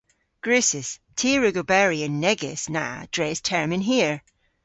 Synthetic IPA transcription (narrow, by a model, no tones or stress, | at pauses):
ɡ̥ɹʉsɪz̥tʰiɹʉɡəbɛɹiə̃nːɛɡɪ̰sna̰d̥ɹɛz̥tʰɛɹmɪ̃nɦiɹ